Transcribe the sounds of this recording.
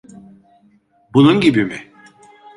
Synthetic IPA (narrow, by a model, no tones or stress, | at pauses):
bununɟibimɪ